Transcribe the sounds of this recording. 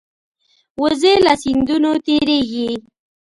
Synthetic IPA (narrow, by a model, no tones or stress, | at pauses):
wəzelasind̪unot̪eɾeɡi